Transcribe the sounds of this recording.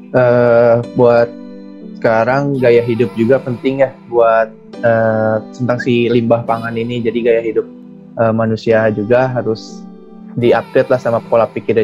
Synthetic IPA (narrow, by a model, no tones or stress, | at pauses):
ʔəːbuat̪̚ | sə̥kaɾaŋɡajaɦidʊp̚d͡ʒuɡapənt̪ɪŋjahbuat̪̚ | əsənt̪aŋsilimbahpaŋaninid͡ʒadiɡajaɦidʊp̚ | ʔəmanusiad͡ʒuɡaɦaɾʊs | diap̚ɾɛt̪̚lahsamapolapikiɾ